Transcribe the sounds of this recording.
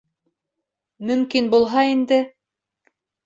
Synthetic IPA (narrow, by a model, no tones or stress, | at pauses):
mɵ̆mkinbulˠɦɑind̪ɘ